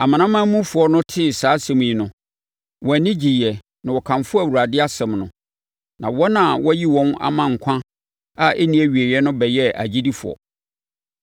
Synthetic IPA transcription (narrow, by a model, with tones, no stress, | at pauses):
a˨mã˨nã˦mã˦mũ˦fʊ˨ɔ˦nʊ̃˦tʰɪ˦˨saː˨˦sɛ̃˨m̃˨i˨nʊ̃˨ | wɔ˨nɪ̃˦d͡ʑi˨jɛ˨ | nã˨wɔ˨kʰã˨nfʊ˦æ˨wu˨ɾa˨dɪ˦a˦sɛ̃˨mnʊ̰̃˨ | nã˨wɔ˦nã˨wɔ˦ji˦wɔ̃˦na̰˨mã˨ŋ̩˨kʷʰã˦ | a˦˨ʔe˦nĩ˦æ˨ɥi˨e˨ɛ˦nʊ̃˦bɛ˨jɛ˦a̰˨d͡ʑi˦di˦fʊ̰˨ɔ̰˨